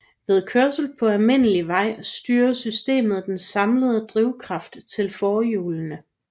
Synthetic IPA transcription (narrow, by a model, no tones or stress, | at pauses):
ʋe̝ð̞ˠkʰøɐsl̩d̥̚pʰɒ̽ælme̝n̰əliʋɑ̈ɪ̰sd̥yːɐsysd̥e̝̰ːmð̩ˠd̥ensɑ̈mləð̞̩ˠəd̥ʁiʊ̰kʰʁɑ̈fd̥t͡sʰe̝lfɒːjuːlənə